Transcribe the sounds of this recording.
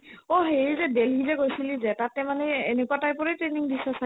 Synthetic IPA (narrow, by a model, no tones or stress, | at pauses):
ɔɦeɹizɛdɛlɦizɛkojsilizɛtatɛmanɛenekuatajpɔɹɛtɹeniŋbisasa